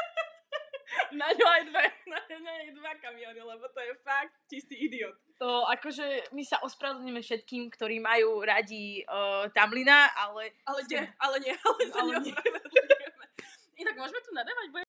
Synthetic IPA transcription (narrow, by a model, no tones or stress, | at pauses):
naɲɔajd̪ʋɛnaɲɔɲɔajd̪ʋakamiɔnilɛbɔt̪ɔjɛfak̚t̪̚t͡ʃist̪iːid̪iɔːt̪̚ | t̪ɔakɔʒɛmisaʔɔspɾaʋɛd̪ɲɛmɛfʃɛt̪kiːmkt̪ɔɾiːmajuːɾaɟit̪amlinaʔalɛalɛɛalɛɲɪɛalɛt̪a | inaɡ̚mʊɔʒɛmɛt̪unad̪aːʋaɟbuɛ